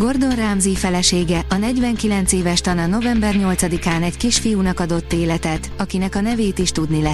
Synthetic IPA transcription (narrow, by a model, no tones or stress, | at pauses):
ɡo̞rd̪o̞nraːmzifɛlɛʃeːɡɛʔɒnɛɟvɛŋkilɛnt̪seːvɛʃt̪ɒnɒno̞vɛmbɛrɲo̞lt̪sɒd̪ikaːnɛɟkiʃfijunɒkɒd̪o̞t̪ːeːlɛt̪ɛt̪ɒkinɛkɒnɛveːt̪iʃt̪ud̪nilɛ